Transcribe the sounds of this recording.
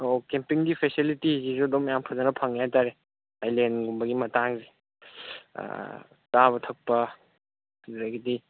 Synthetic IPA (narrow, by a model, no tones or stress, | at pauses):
okempiŋɡipʰesilitizizodɔmjampʰazɐnɐpʰɐŋjataɾe | ajlenɡumbɐɡimɐtaŋzi | kaβɐtʰɐk̚pɐ | hduɾajɡidi